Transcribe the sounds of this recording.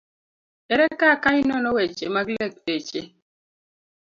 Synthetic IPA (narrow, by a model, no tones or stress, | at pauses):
ɛɾɛkakaɲinɔnɔwɛt͡ʃḛmaklɛk̚det͡ʃe